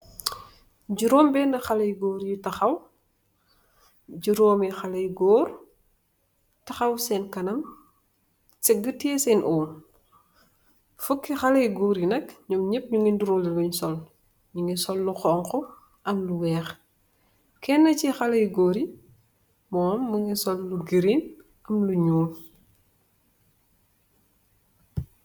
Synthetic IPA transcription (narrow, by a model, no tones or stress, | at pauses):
ɟuɾɔːmbɛːndɐxɐlɐjɡɔːɾjitɐxɐw | ɟuɾɔːmixɐlɐjɡɔːr | tɐxɐwsɛːnkɐnɐm | sɛɡətiɛsɛnʔɔːn | fukːixɐlɐjɡɔːɾjinɐkɲɔmɲɛp̚ɲuŋinduɾɔliɡuɲsɔl | ɲuŋɡisɔlːuxɔːŋkɔ | ʔɐmluwɛːx | kɛnːɐcixɐlɐjɡoːɾi | mɔːmːuŋisɔlːuɡiɾin | ɐmluɲuːl